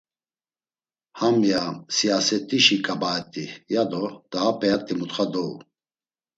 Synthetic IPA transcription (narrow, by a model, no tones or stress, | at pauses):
hamjasiasɛt̪ʼiʃikʼabaɛt̪ʼijad̪ɔd̪̥aːpʼɛat̪ʼimut̪χad̪ɔṵ